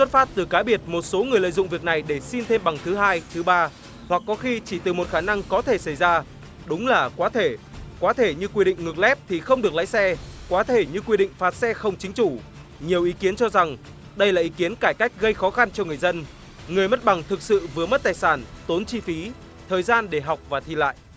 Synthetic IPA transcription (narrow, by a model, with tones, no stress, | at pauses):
swə˦˥t̚faː˦˥t̚t̪ɨ˨˩kaː˨˦ɓi˨˩ət̚mo˨˩t̚so˨˦ŋɨ˨˩əjlə̰ː˧˨jzʊ̰˧˨ŋ͡mvi˨˩ək̚na˨˩jɗe˧˩si˧nt̪ʰe˧mɓa˨˩ŋt̪ʰɨ˨˦ɦaː˧jt̪ʰɨ˨˦ɓaː˧ | hwa˨˩k̚ːɔ˨˦xi˧t͡ɕi˧˩t̪ɨ˨˩mo˨˩t̚xaː˧˩na˧ŋkɔ˨˦t̪ʰe˧˩sa˧˩jzaː˧ | ɗʊ˨˦ŋ͡mlaː˨˩kwaː˨˦t̪ʰe˧˩kwaː˨˦t̪ʰe˧˩ɲɨ˧kwi˧ɗḭ˧˨ŋ̟ŋɨ˨˩k̚lɛ˦˥p̚t̪ʰi˨˩xə˧wŋ͡mɗɨ˨˩ək̚la̰ː˧˥˦sɛ˧kwaː˨˦t̪ʰe˧˩ɲɨ˧kwi˧ɗḭ˧˨ŋ̟faː˨˩t̚sɛ˧xə˧wŋ͡mt͡ɕï˨˦ŋ̟t͡ɕu˧˩ | ɲi˨˩əwʔi˨˦ki˨˦ənt͡ɕɔ˧za˨˩ŋ | ɗə˧jlaː˨˩ʔi˨˦ki˨˦ənkaː˧˩jka˦˥jk̟̚ɣə˧jxɔ˨˦xa˧nt͡ɕɔ˧ŋɨ˨˩əjzə˧n | ŋɨ˨˩əjmə˦˥t̚ɓa˨˩ŋt̪ʰɨ˨˩k̚sɨ̰˧˨vɨ˨˩əmə˦˥t̚t̪aː˨˩jsaː˧˩nt̪o˨˦nt͡ɕi˧fi˨˦ | t̪ʰəː˨˩jzaː˧nɗe˧˩ɦa˨˩wk͡p̚vaː˨˩t̪ʰḭ˨˩la̰ː˧˨jʔ